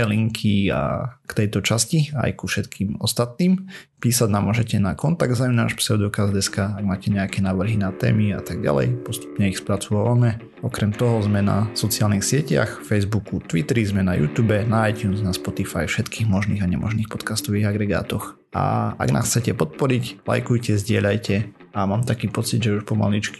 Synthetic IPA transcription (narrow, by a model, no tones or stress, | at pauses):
ɛliŋkʰia̰kt̪ɛjt̪ɔt͡ʃascia̰jkufʃɛt̪kʰiːmɔst̪at̪niːm | piːsaɟnamʊɔʒɛcɛnakɔnt̪aɡd̪zajumnaːʃpsɛʊd̪ɔkazd̪ɛskaaɡmaːcɛɲɛakɛnaːʋr̩ɦinat̪ɛ̰ːmia̰t̪aɡ̚ɟa̰lɛ̰jpɔst̪u̥pɲɛixspɾat͡suʋaʋamɛ | ɔkɾɛmt̪ɔɦɔzmɛna̰sɔt͡sɪaːlnixsɪɛca̰xfɛjzbukut̪ʋit̪ɛɾizmɛnajṵːt̪uːbɛnaajt̪juːnznaspɔt̪ifa̰jfʃɛt̪kʰiːɣmɔʒnḭːɣaɲɛ̰mɔ̰ʒniːxpɔt̪kast̪ɔʋiːɣaɡɾɛɡa̰ːt̪ɔx | ʔa̰a̰ɡna̰xt͡sɛcɛpɔt̪̚pɔɾicla̰jkujcɛzɟɪɛʎlajcɛamaːmt̪akiːpɔt͡sid̪ʒɛuʃpɔma̰lit͡ʃki̥